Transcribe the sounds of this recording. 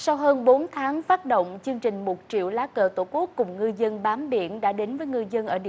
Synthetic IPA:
sa˧wɦəː˧nɓo˨˦nt̪ʰaː˨˦ŋfaː˦˥t̚ɗo̰˧˨wŋ͡mt͡ɕɨ˧əŋt͡ɕï˨˩ŋ̟mo˨˩t̚t͡ɕḭ˧˨əwlaː˨˦kəː˧˩t̪o̰˧˩ku˦˥əkːʊ˨˩ŋ͡mŋɨ˧zə˧nɓaː˨˦mɓḭ˧˨˩ənɗa̰ː˧˥ɗe˨˦nvəː˨˦jŋɨ˧zə˧nʔəː˧˩ḭ˧˨

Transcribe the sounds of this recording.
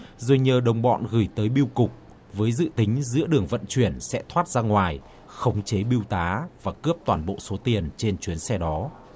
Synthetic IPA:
zo˨˩jɲəː˨˩ɗə˨˩wŋ͡mɓɔ̰˧˨nɣɨ˧˩jt̪əː˨˦jɓi˧wkʊ˨˩k͡p̚ | vəː˨˦jzɨ̰˧˨t̪ï˨˦ŋ̟zɨ̰˧˥əɗɨ˨˩əŋvə̰˧˨nt͡ɕwi˧˩ənsɛ̰˧˥t̪ʰwaː˦˥t̚z̥aː˧ŋwaː˨˩j | xə˨˦wŋ͡mt͡ɕe˨˦ɓi˧əwt̪aː˨˦vaː˨˩kɨ˦˥əp̚t̪waː˨˩nɓo̰˧˨so˨˦t̪i˨˩ənt͡ɕe˧nt͡ɕwi˨˦ənsɛ˧ɗɔ˨˦

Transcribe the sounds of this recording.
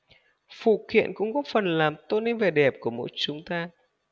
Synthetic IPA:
fṵ˧˩kwḭ˧˨ənkʊ̰˧˥ŋ͡mkɔ˨˦fə˨˩nlaː˨˩mt̪o˧ne˧nve˨˩ɗɛ˨˩p̚ku˧˩əmo̰˧˥jt͡ɕʊ˨˦ŋ͡mt̪aː˧

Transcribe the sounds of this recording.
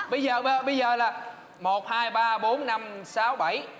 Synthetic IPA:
ɓə˧jzəː˨˩ə˨˩ɓə˧jzəː˨˩laː˨˩ | mo˨˩t̚haː˧jɓaː˧ɓo˨˦nːa˧msaː˨˦wɓa˧˩j

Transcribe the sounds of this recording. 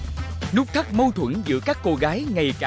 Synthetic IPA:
nu˦˥k͡p̚t̪ʰə˦˥k̚mə˧wt̪ʰwə̰˧˥nzɨ̰˧˥əkaː˦˥kːo˧ɣaː˨˦jŋa˨˩jkː

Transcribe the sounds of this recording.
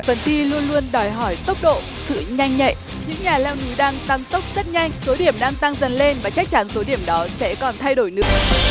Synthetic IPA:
fə˨˩nt̪i˧lu˧ənlu˧ənɗɔ˨˩jɦɔ˧˩jt̪ə˦˥wk͡p̚ɗo̰˧˨ | sɨ̰˧˨ɲa˧jŋ̟ɲə̰˧˨jʔ | ɲɨ̰˧˥ŋɲaː˨˩lɛ˧wnu˨˦ɗaː˧ŋt̪a˧ŋt̪ə˦˥wk͡p̚z̥ə˦˥t̚ɲa˧jŋ̟so˨˦ɗi˧˩əmɗaː˧ŋt̪a˧ŋzə˨˩nle˧nvaː˨˩t͡ɕa˦˥k̚t͡ɕa˨˦nso˨˦ɗi˧˩əmɗɔ˨˦sɛ̰˧˥kɔ˨˩nt̪ʰa˧jɗo˧˩jnɨ̰˧˥ə

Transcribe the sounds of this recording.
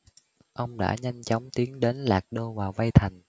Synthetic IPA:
ʔə˧wŋ͡mɗa̰ː˧˥ɲa˧jŋ̟t͡ɕɔ˨˦wŋ͡mt̪i˨˦əŋɗe˨˦nlaː˨˩k̚ɗo˧vaː˨˩wva˧jt̪ʰa˨˩jŋ̟

